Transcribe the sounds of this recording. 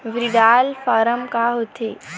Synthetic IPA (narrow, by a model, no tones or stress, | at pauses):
ʋɾiɖaːlfaɾəmkaɦot̪ʰeː